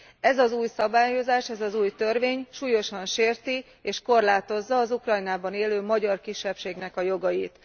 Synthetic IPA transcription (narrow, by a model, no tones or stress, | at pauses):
ɛzɒzuːjsɒbaːjo̞zaːʃɛzɒzuːjt̪ørʋeːɲʃuːjo̞ʃɒnʃeːrt̪i | eːʃko̞rlaːt̪o̞zːɒːzukrɒjnaːbɒneːløːmɒɟɒrkiʃːɛpʃeːɡnɛkɒjo̞ɡɒjit̪